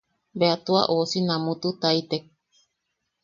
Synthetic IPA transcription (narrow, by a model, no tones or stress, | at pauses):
beat̪ua̰ʔosinãmũt̪ut̪ait̪e